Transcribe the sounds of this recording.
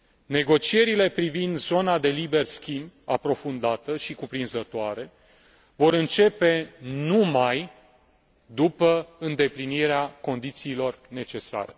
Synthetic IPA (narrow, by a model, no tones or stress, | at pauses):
ne̞ɡo̞t͡ʃie̞ɾile̞pɾivind̪zo̞nad̪e̞libe̞rskʲimbʲapɾo̞fund̪at̪əʃikupɾinzət̪oaɾe̞ | vo̞ɾɨnt͡ʃe̞pe̞numaj | d̪upəɨnd̪e̞pliniɾeako̞nd̪it̪siːlo̞rne̞t͡ʃe̞sa̰ɾe̞